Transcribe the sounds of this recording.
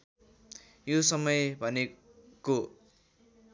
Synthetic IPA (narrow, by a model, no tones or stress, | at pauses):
josʌmʌjbʱʌne | ko